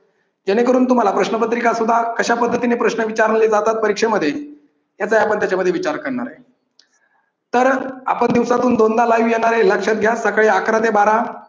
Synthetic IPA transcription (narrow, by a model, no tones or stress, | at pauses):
d͡ʑeɽ̃ekəɾuːnt̪um̤alapɾəɕnəpət̪ɾikasud̪ʱːakəɕapəd̪ʱːət̪inepɾəɕnəʋit͡ɕaɾɳled͡zat̪at̪̚pəɾikʂeməd̪ʱːje | t̪jat͡saɦiapəɳt̪jat͡ɕaməd̪ʱjeʋit͡ɕaɾkəɾɳa̰ɾa̰ɦe | t̪əɾa̰pəɳd̪iʋsat̪uːnd̪ond̪alajʋjɛɽ̃aɾeləkʂat̪̚ɡʱjasəkɭiːakɾat̪ebaɾa